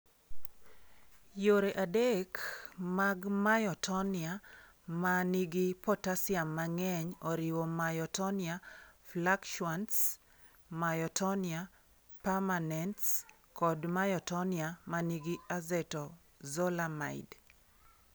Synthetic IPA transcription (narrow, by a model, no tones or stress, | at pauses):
joɾeʔadekmaɡmajɔtʰɔnɪa | maniɡipɔtasɪamːaŋɛɲɔɾɪwɔmajɔtɔniaflakʃuants | majɔtʰɔnia | pamanɛnts | kɔdmajɔtɔniamaniɡiazɛtɔ | zɔlama̰ɪd